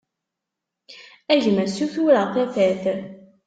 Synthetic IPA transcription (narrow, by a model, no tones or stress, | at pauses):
æʝməsuθuɾəʁθæfæθ